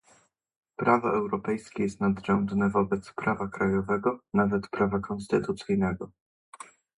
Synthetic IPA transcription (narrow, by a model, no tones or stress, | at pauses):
pɾʔavɔɛwɾɔpɛjskʲɛjɛst̪nad̪ʐɛnd̪nɛvɔbɛt̪spɾavakɾajɔvɛɡɔnavɛt̪pɾavakɔnst̪ɘt̪ut̪sɘjnɛɡɔ